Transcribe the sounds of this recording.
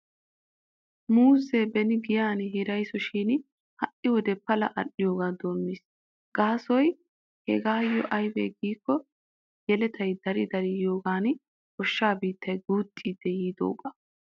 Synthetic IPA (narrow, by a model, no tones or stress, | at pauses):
muːzebɛnɪɡɪjaːnɦɪɾɐjsɔʃiːn | hɐʔɪwɔd̪ɛpːɐlɐ̰ʔɐ̰ɗɪjoːɡaːd̪o̞ːmːis | ɡ̥aːsɔj | hɛɡaːjːɔʔɐjbḛːɡiːkːɔ | jɛlɛt̪ʰɐjd̪ɐɾɪd̪ɐɾɪjo̞ːɡaːn | hɔʃːaːbiːt̪ːɐjɡuːt̪ʼːiːd̪ːɛjiːd̪o̰ːɡɐ̥